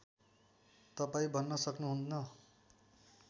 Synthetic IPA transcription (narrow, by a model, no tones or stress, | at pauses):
t̪ʌpaĩbʱʌnːʌsʌknuɦunnʌ